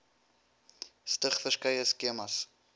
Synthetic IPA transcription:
stəχfəskəjəskeəmɐs

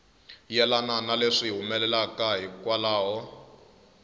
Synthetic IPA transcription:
jɛlananaleʂiɦumɛlɛlakaɦikwalaːɦɔ

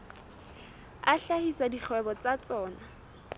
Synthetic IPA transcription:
aɬahisadik͡xʰwɛbɔt͡sat͡sɔːna

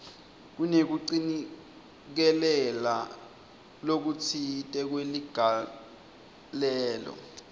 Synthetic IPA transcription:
k̬unek̬uǀini | k̬ɛlɛla | lok̬ut͡sʰitʼɛk̬weliɡ̥ʱa | lɛːlɔ̰

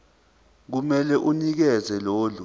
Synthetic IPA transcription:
k̬umɛlɛʔunik̬ɛzɛloːlu

